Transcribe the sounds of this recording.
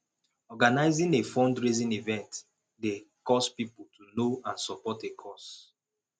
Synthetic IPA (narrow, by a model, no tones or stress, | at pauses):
ɔɡanaɪzĩnefɔ̃ndɹizĩnivɛ̃nt | dekɔspipoltʰunoãnsɔpɔtekʰɔs